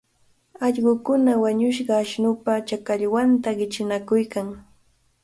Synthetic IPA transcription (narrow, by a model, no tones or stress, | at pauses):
ɑʎɢʊkʊnawaɲʊʃ̬ɢɑːʃnʊpat͡ʃakaʎwant̪aɢɪt͡ʃɪnakʊjkaŋ